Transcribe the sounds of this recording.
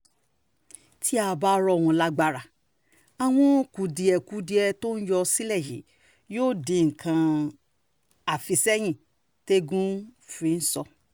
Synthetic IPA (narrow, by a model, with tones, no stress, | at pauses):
tʰi˦a˧˨ba˧˦˧ɾɔ˧˨wɔ̃˧˨la˧ɡ͡ba˧˨ɾa˨ | a˨w̃ɔ̃˧˦˨ku˨di˨ɛ˨ku˨˦di˧ɛ˧to˦n̩˦jɔ˧si˦lɛ˦˨jḭ˨˦ | joː˦˨dĩ˨˧ŋ̩˨kʰã˧ | a˨fi˧sɛ˦j̃ĩ˦˨ | te˦ɡũ˦fĩ˧n̩˦sɔ˧